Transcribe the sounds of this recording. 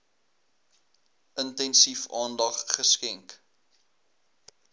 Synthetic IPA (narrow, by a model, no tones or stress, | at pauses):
ʔəntɛnsifɑːndɐχχəskɛŋk